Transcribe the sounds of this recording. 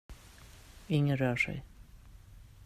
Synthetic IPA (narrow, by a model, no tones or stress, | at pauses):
ɪŋːənɾœːʂɛ̰j